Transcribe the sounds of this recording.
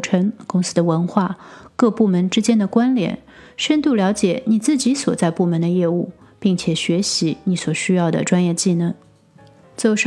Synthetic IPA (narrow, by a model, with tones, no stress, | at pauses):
ʈ͡ʂʰɤ˧˥ŋkʊ˥ŋsɹ̩˥d̪ə˨wə˧˥nxwa˥˩kɤ˥˧pu˥˩mə˧˥nʈ͡ʂɻ̩˥t͡ɕjɛ˥nd̪ə˨kwa˥nljɛ̰˨˧˩n | ʂə˥nt̪u˥˩ljɑ˧˥ʊt͡ɕjɛ˨˩ni˨˩t͡sɹ̩˥˩t͡ɕi˧˥swɔ̰˨˩t͡sa˥˧ɪpu˥˩mə˧˥nd̪ə˧jɛ˥˧u˥˩ | pi˥˩ŋt͡ɕʰjɛ˨˩ɕɥɛ˧˥ɕi˧˥ni˧˥swɔ˨˩ɕy˥jɑ˥˩ʊd̪ə̰˩ʈ͡ʂwa˥njɛ˥˧t͡ɕi˥˧nə˥˩ŋ | t͡so˧˩ʊʂ